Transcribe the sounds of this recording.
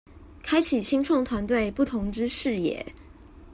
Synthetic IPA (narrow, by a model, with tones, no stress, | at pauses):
kʰa˥ɪt͡ɕʰi˨˩ɕi˥ŋʈ͡ʂʰɑ˥˩ŋt̪ʰwa˧˥nt̪̬we˥˧ɪpu˥˩t̪ʰʊ˧˥ŋʈ͡ʂɻ̩˥ʂɻ̩˥˧jɛ̰˨˩˦